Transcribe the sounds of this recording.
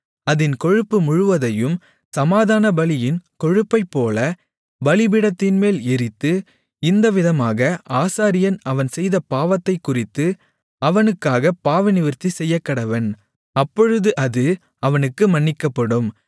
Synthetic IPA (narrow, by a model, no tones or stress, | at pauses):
ɐðɪnkɔɻɯpːɯmʊɻʊʋɐðɐjɯm | sɐmaːðaːnɐbɐlɪjɪnkɔɻɯpːɐɪpːoːlɐ | bɐlɪbɪɽɐt̪ːɪnmeːlɪɾɪt̪ːɯ | ɪnd̪ɐʋɪðɐmaːɣɐʔaːsaːɾɪjɐnɐʋɐnsɛjðɐpaːʋɐt̪ːɐɪkːʊrɪt̪ːɯ | ɐʋɐnɯkːaːɣɐpːaːʋɐnɪʋɪɾt̪ːisɛjːɐkːɐɽɐʋɐn | ɐpːɔɻɯðɯʔɐðɯ | ɐʋɐnɯkːɯmɐɳːɪkːɐpːɐɽɯm